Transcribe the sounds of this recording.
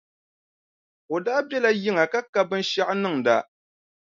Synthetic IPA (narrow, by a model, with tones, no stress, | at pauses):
o˨daː˦bɛ˦la˦ji˦ŋa˨ka˦ka˦bɨ˦nʃa˦ʔnɨ˦˨ŋ˨da˦